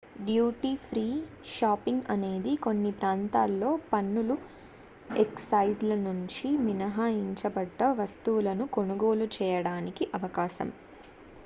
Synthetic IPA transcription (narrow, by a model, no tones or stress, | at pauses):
ɖjuːʈiːpʰɾiːʃaːpiŋɡɐne̞ːd̪iko̞nːipɾaːnt̪aːlːo̞ːpɐnːulu | eksɐjzlɐnuɲt͡ʃiminɐɦaːiɲt͡ʃɐbɐɖːɐʋɐst̪uwulɐnuko̞nuɡo̞ːlut͡ʃɛːjɐɽaːnikiʔɐʋɐkaːʃɐ̰m